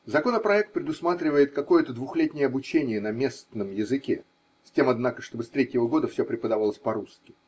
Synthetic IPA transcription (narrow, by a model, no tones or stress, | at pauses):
zɐko̞nəpɾɐɛk̚t̪̚pɾʲɪd̪ʊsmat̪ɾʲɪvəjɪt̪̚kɐko̞jət̪əd̪vʊxlʲet̪ʲnʲɪjəɐbʊt͡ɕenʲɪjənɐmʲe̞st̪nəmjɪzɨkʲe | sʲtʲe̞mɐd̪nakəʂt̪o̞bɨst̪ɾʲetʲjɪvəɡo̞d̪əfsʲopɾʲɪpəd̪ɐvalˠəsʲpɐɾuskʲɪ̥